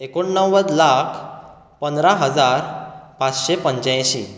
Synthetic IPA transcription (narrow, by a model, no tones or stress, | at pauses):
ekoɳːəwəd͡zlakʰ | pənd̪ɾaɦəd͡zaɾpat͡sɕepəɲt͡ɕãjɕḭ